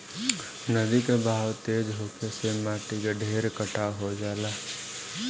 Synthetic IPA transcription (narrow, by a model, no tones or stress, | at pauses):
nəd̪ikebʱaːwt̪eːd͡ʒɦokesemaːʈikeɖʱeːɾkəʈʰaɦod͡ʒaːla